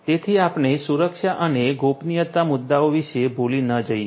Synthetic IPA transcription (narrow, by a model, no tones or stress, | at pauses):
t̪et̪ʰiapɳesuɾəkʃaʔəneɡopnijət̪ːamʊd̪ːaoʋiʃebolinəd͡ʒəje